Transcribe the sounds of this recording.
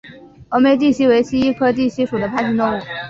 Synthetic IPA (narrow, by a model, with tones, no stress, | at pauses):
o˧˥ʊme˥ɪt̪i˥˩ɕi˥we˧˥ɪɕi˥i˥kʰɤ˥t̪i˥˩ɕi˧˥ʂu˨˩d̪ə˦pʰa˥˧ɕi˥˧nt̪ʊ˥˧ŋu˥˩